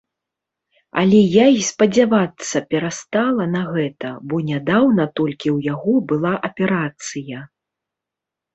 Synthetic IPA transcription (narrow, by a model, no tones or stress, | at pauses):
a̰lʲɛjaispɐd͡zʲavat̪sːɐpʲɛɾast̪alˠɐnɐɣɛt̪ɐbɔnʲad̪awnɐt̪ɔlʲkʲiwjaɣɔbɨlˠaʔɐpʲɛɾat̪sɨjɐ